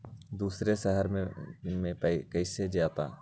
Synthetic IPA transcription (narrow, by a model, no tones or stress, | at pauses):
d̪uːsɾeʃəɦəɾmẽmẽpəkɐɪsed͡ʒjaːt̪a̰ː